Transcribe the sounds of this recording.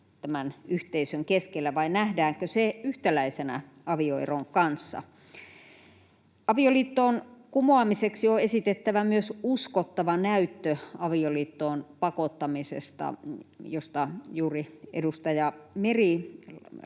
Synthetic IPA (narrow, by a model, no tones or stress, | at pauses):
t̪æmænyht̪eisøŋkeskelːæʋɑinæhdæːŋkøseyht̪ælæisenæ̰ | ɑʋioḛroŋkɑnsːɑ̰ | ɑʋioliːt̪ːoːnkumoɑmiseksioesit̪et̪ːæʋæmyøsuskot̪ːɑʋɑnæyt̪ːøɑʋioliːt̪ːoːnpɑkot̪ːɑmisḛst̪ɑ̰jost̪ɑjuːriʔḛdust̪ɑjɑmeri